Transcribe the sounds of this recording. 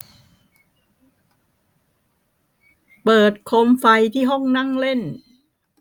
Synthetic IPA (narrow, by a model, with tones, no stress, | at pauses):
pɤː˨˩t̪̚kʰo˧mfa˧jt̪ʰiː˥˩ɦɔ˥˩ŋna˥˩ŋle˥˩n